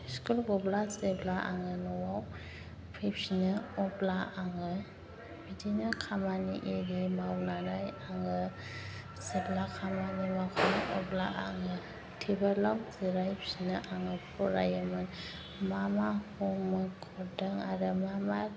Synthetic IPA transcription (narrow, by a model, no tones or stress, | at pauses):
skulɡɔblaseblaʔa̰ŋɯnuwaw | pʰijpsinɯɔblaaŋɯ | bidinakʰamanḭʔiɾimawnanajaŋɯ | seblakʰamanimakʰɔnʔɔblaʔa̰ŋɯ | tʰibalɔŋziɾajpsinɯʔaŋɯpʰɔɾa̰jəmɯn | mamakʰɔŋmɯkʰɔdaŋaɾɯmama